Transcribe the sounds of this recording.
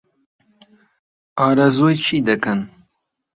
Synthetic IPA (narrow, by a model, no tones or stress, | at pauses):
ɑːɾɐzoːjt͡ʃʰiːd̪ɐkɐn